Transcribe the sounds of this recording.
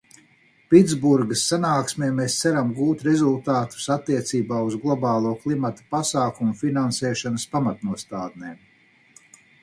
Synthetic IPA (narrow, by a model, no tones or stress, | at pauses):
pid̪zbuɾɡəsːanaːksmeːmːest̪sæɾamɡuːt̪ɾɛzulˠt̪aːt̪u̥sat̪ːiɛt̪siːbaːuzɡlˠɔbɑːlˠuɔklˠimat̪ḁpasaːkumufinansɛːʃanɐspamat̪nuɔst̪aːd̪̚neːm